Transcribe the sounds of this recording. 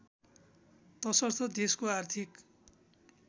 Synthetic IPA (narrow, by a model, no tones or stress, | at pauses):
t̪ʌsʌrt̪ʰʌd̪eskoart̪ʰik